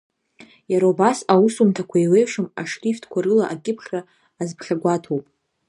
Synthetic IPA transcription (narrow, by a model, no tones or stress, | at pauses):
jaɾaubasawusumtʰakʷʰaiwejʂɨma̰ʂtʰʼiftʰkʷʰaɾɨlaʔakʲʼɪpʰχʲraː | zpʰχʲaɡʷatʰowpʼ